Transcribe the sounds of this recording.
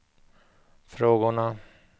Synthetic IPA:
fɾoːɡʊɳa

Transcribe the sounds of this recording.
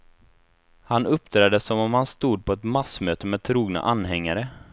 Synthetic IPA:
hanɵpːd̪ʰɾɛːd̪əsːɔmɔmhanst̪uːd̪̚pʰɔɛt̪masmøːt̪əmɛːd̪̚t̪ʰɾuːɡna̰ʔanːɦɛŋːaɾə

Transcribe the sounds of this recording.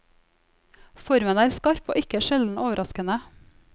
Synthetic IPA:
fɔɾmənæːɾskɑɾpo̰ːʔɪkəʃɛld̪n̩ʔoːʋəɾɑskənə

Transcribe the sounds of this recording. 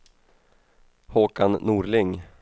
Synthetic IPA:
hoːkannuːɾlɪŋ

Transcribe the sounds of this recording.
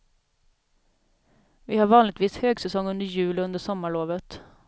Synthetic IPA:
vɪhaɾvɑːnlɪɡ̚t̪viːshøːɡsɛsɔŋːɵnd̪əɾjʉ̟ːlɵnd̪əʂɔmːaɭoːvət̪

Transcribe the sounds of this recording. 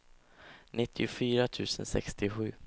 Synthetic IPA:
nɪt̪ʰːɪʊfyːɾat̪ʰʉ̟ːsənsɛ̰kst̪ɪɧʉ̟ː

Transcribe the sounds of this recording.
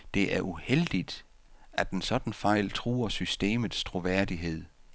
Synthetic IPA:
d̥e̝ʔæɐʔuheld̥id̥ | æd̥ensɒ̽d̥n̩fɑ̈ɪ̰lt͡sʰʁṵːɐsysd̥e̝̰ːmð̩ˠst͡sʰʁo̝ʋæɐ̰d̥iɦe̝ð̞̰ˠ

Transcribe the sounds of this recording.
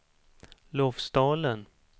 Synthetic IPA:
loːfsd̪ɑːlən

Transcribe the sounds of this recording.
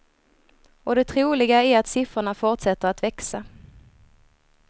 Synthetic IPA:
ɔd̪ɛt̪ʰɾuːlɪɡaæɾat̪sɪfɾəɳafʊʈʂɛt̪ːəɾat̪vɛksa

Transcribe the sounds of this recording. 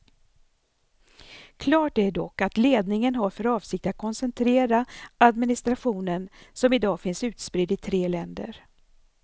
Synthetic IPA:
kʰlɑːʈ̚d̪ɛæɖɔkːat̪leːd̪nɪŋənɦaɾfœɾɑːvsɪk̚t̪at̪̚kʰɔnsɛnt̪ʰɾeːɾaad̪mɪnɪst̪ɾaɧuːnənsɔmɪd̪ɑːfɪnsʉ̟ːt̪spɾɪd̪ɪt̪ʰɾeːlɛnd̪ə̰ɾ

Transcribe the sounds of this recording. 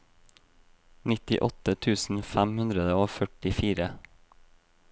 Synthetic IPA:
nɪt̪ɪ̰ʔɔt̪ət̪ʰʉːsn̩fæmhʉnd̪ɾəd̪əoːfœʈɪfiːɾə

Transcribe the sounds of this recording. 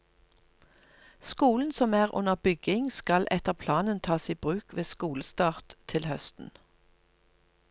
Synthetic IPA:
skuːln̩sɔmæːʁʔʊ̰nəʁbʏɡɪŋskɑlʔɛt̪əʁpʰlɑːnənt̪ʰɑːsiːbʁʉːkʋeːskuːləst̪ɑːʁt̪ʰːɪlhœst̪n̩

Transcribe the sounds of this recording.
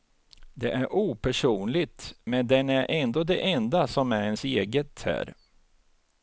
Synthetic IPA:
d̪ɛʔæɾʔuːpʰæʂuːnlɪt̪mɛnd̪ɛnæɾʔɛnd̪oːd̪ɛ̰ʔɛnd̪asɔmæɾɛnseːɡət̪ʰhæ̰ːɾ

